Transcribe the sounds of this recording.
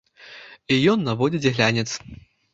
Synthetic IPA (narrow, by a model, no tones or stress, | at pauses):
ijɔnːavɔd͡zʲid͡zʲɣlʲanʲɛt̪s